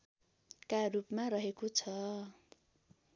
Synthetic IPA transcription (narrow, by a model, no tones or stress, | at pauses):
karupmaɾʌɦekot͡sʰʌ